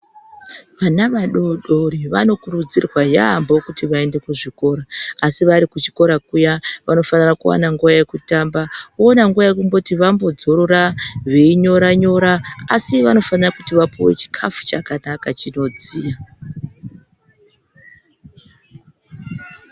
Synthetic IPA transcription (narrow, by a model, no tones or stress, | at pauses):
ʋanaʋaɗoɗo̞ɾiʋa̰no̞kuɾud͡zirwaja̰mbo̞kutiʋae̞nde̞kuʐiko̞ɾaːsiʋaɾikut͡ʃi̥ko̞ɾakujaʋano̞fanirakuwa̰naŋɡuʋaje̞kutambaonaŋɡuʋajekumbo̞tiʋambo̞d͡zo̞ɾo̞raʋeiɲo̞ɾaɲo̞ɾaːsiʋano̞fanirakutiʋapowe̞̰t͡ʃi̥kʰafu̥t͡ʃakanakat͡ʃino̞d͡ziːja